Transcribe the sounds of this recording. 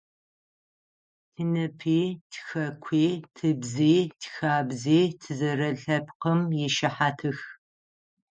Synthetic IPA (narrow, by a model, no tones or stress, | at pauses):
tʰɨnɨpʰiːtʰxɐkʷʰiːtʰɨbziːtʰxaːbziːtʰɨzɐɾɐɬɐpʰqəmjɛʃɐħaːtʰɨx